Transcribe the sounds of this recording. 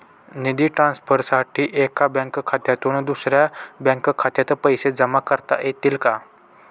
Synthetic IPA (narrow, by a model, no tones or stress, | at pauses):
nid̪iːʈɾãnspəɾsaʈʰiːʔekabə̃ŋkkʰat̪jat̪uɳd̪usɾjabə̃ŋkkʰat̪jat̪əpəjsed͡zəmakəɾt̪a̰ʔjet̪iːlka